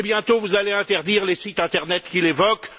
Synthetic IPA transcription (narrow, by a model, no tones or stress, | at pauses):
bjɛ̃t̪ovuzaleɛ̃t̪ɛʁd̪iːʁlesit̪ɛ̃t̪ɛʁnɛt̪kʲilevɔk